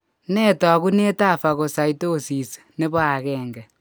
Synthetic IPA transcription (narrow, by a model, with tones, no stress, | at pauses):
nɛ˦ta˨ku˦ne˦ta˦˨fa˨ɣo˨sa˨i˦to˦˨si˨s | ne˦βo˦a˨kɛː˦ŋɡɛ˨